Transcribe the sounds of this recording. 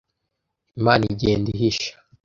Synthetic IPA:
imaːniɟeːndiɦiʃḁ

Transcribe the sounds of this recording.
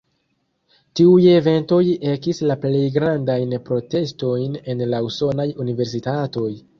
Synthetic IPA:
tiuje̞ve̞nto̞je̞kislaple̞jɡɾandajnpɾo̞te̞sto̞jne̞nlauso̞najunive̞ɾs̬itato̞j

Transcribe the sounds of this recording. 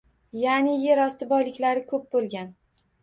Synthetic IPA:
janɪje̞ɾɒst̪ɪbɒjlɪkʲlaɾɪkʰɵp̚bolˠɡʲan

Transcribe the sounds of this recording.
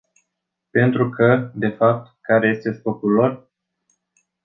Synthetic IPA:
pe̞nt̪ɾukʰəd̪e̞fap̚t̪kaɾe̞je̞st̪e̞spo̞kulːo̞r

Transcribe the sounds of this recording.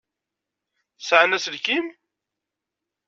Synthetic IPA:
θsʕanæslkim

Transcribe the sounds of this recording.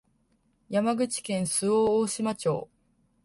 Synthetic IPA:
jamaɡɯ̟t͡ɕi̥kẽ̞ɰ̃sɨoːoːɕimat͡ɕo̞̰ː

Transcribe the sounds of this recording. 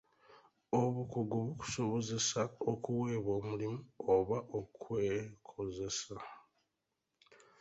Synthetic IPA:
oβukuɡuβuku̥so̞βo̞ze̞saokuweːβo̞ːmulimuoβaʔo̞kwekʰo̞ze̞sa

